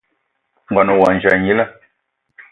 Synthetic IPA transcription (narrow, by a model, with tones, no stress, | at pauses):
ŋ˨ɡa˨no˨wa˨n˨d͡ʒa˨ɲi˦la˦